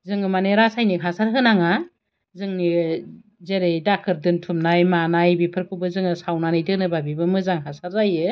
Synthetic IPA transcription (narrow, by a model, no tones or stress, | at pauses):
zɯŋɯmaneɾasajnikʰasaɾɦɯnaŋa | zɯŋni | zeɾejdakʰɯɾdɯntʰumnajmanajbipʰɯɾkʰɯbɯzɯŋɯsawnanɯjdɯnɯbabibɯmɯzaŋɦasaɾzajɯ